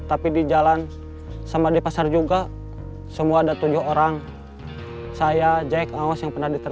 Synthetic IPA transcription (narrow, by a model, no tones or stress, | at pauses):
t̪apidid͡ʒalan | samadipasard͡ʒuɡa | səmuaːdat̪ud͡ʒʊhoɾaŋ | sajad͡ʒaɛkawasjaŋpərnahdit̪ə